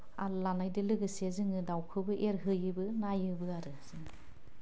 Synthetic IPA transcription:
a̰ɾlanajdɯlɯɡɯsezɯŋɯdawkʰɯbɯʔeɾɦɯjɯbɯnajɯbɯaɾɯz̥ɯŋ

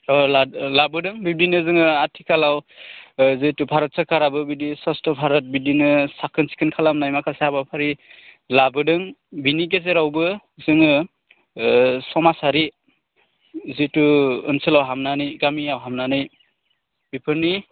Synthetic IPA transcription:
ɔlalabɯdɯŋbidinɯzɯŋɯatʰikʰalaw | zitubʱaɾɯt̚sakaɾabɯbidisɔstɔbʱaɾɯt̚bidinɯsakʰɯnsi̥kʰɯnkʰalamnajmakʰaseabapʰaɾi | labɯdɯŋbinik̬ezeɾawbɯ | zɯŋɯ | sɔmasaɾi | zituɯ̰nsɯlawɦamnanɯjɡamiawɦamnanɯj | bipʰɯɾni

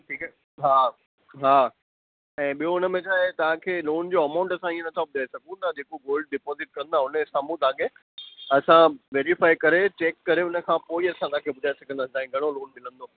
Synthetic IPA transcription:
ʈʰiːk | ɦaː | ɦaː | ɛ̃ːɓijoʊnə̆mẽt͡ɕaːɦet̪ɐʋ̤ãkʰeːloːnd͡ʑoːɐmãːʊ̃ɳʈɐsãĩːə̃nɐt̪ʰɔːp̚ɗaːesɐɡʱũnad͡ʑeːkoɡoːlɖ̚ɖɪpɔːzɪʈ̚kɐ̃nd̪aʊnəsaːmũt̪ãːɡẽ | ɐsãʋeːɾifaːikɐɾet͡ɕeːkːɐɾeʊnə̆kʰãpoːiɐsãt̪ɐaãkʰeːbʊd̪ʱaːesɐɡʱə̃nd̪aːɪ̃d̪aːĩɡʱɐɽ̃oloːnmɪlə̃nd̪o

